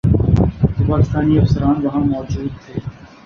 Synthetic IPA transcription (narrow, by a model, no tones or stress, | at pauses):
t̪opaːkɪst̪aːniɐfsəɾaːnʋɐɦãmɔːd͡ʒuːd̪̚t̪ʰeː